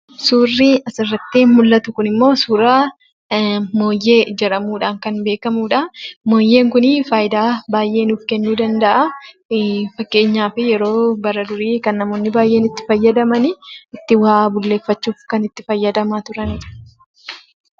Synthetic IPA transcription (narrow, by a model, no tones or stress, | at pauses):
suːrːɪɐsɪrːɐt̪ːinmʊlːɐt̪ʊkʊnɪmːo̞ːsuːɾaː | mo̞ːjːe̞ːd͡ʒɐɾɐmuːᶑaːŋkɐnbe̞ːkɐmuːᶑamo̞ːjːe̞ːŋkʊnɪfaːjɪd̪aːbaːjʔe̞ːnuːfkɛnːuːd̪ɐnd̪ɐʔa | fɐkːe̞ːɲːaːfɪjɛɾo̞ːbɐɾɐd̪ʊɾiːkɐnːɐmoːnːɪbaːjʔe̞ːnɪt̪ːɪ̥fɐjːɐd̪ɐmɐnɪɪt̪ːɪwaːbʊlːe̞ːfːɐt͡ʃːuːfkɐnɪt̪ːɪfɐjːɐd̪ɐmaːt̪ʊɾɐn